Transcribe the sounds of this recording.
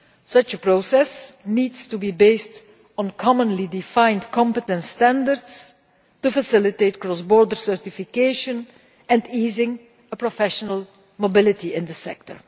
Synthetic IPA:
sʌt͡ʃəpɹosɛsniːdstubibeɪst | ɔ̃nkʰɔmə̃nlidɪfãɪ̃ntkʰɔ̃mpətə̃ntstæ̃ndəɹds | tufəsɪlɪteɪt̚kɹɔsbɔːɹdəɹsɜɹtɪfɪkeɪʃə̃n | ɛ̃ndiːzɪ̃ŋ | əpɹɔfɛʃənəlˠ | mobɪlɪtiɪ̃nd̪əsɛ̰k̚tə̰ɹ

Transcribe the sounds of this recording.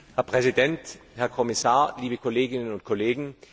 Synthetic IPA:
hɛɐpʁ̥ɛzidɛnthɛɐkʰɔmɪsaːɐliːbəkʰoleːɡɪnənʊnt̚kʰoleːɡŋ̩

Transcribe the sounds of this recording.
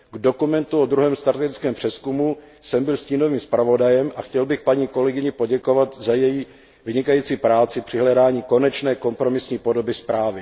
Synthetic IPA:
ɡdo̞kumɛnt̪uod̪ɾuɦɛːmst̪aɾt̪ɛɡɪt͡skɛːmpr̝̥ɛskumu | sɛmbɪlsciːno̞viːmspɾavo̞dajɛmʔaxcɛlbɪxpaɲiːko̞lɛɡɪɲɪpo̞ɟɛko̞vat̪zajɛjiː | vɪɲɪkajiːt͡siːpɾaːt͡sɪpr̝̥ɪɦlɛdaːɲiːko̞nɛt͡ʃnɛːko̞mpɾo̞mɪsɲiːpo̞do̞bɪspɾaːvɪ

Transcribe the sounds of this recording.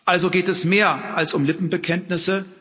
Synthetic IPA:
ʔalzoɡeːtɛsmeːɐʔalsʊmlɪpm̩bəkʰɛntnɪsə

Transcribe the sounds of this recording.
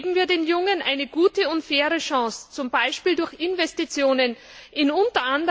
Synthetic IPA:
bm̩viːɐdeːnjʊŋənʔa̰ɪnəɡ̥uːtəʊntfɛːɐʁəʃɑ̃ːst͡sʊmbaɪʃpiːldʊɐçɪnvɛstit͡sjoːnən | ʔɪnʊntɐʔandə

